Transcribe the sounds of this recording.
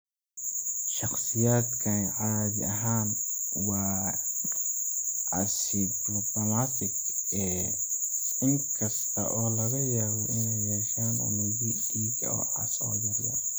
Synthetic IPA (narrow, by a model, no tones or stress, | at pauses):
ʃɑχsɪjaːd̪kʰɐnʕaːðɪɐɦaːnwɑː | ʕɑ̰s | iblɔbɔmat̪ʰɪɡ | ɛː | ɪŋkʰɐst̪ʰɐ̰ʔɔːlɐɣɐjaːβɔʔɪnɛjjɛʃaːnʊ̰miði | i | ɔ̰ːʕɑ̰sɔ̰jɐɾjɐ̰